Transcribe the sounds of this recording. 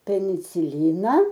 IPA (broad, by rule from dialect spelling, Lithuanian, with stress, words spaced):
pʲɛnʲɪt͡sʲɪˈlʲɪnɐ